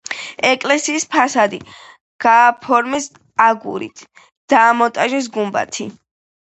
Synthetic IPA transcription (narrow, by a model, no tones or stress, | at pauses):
ɛkʼlɛsiːspʰasad̪i | ɡ̥aːpʰɔɾmis | aɡṵɾḭt̪ʰ | d̪̥aːmɔt̪ʼaʒɛs̬ɡumba̰t̪ʰi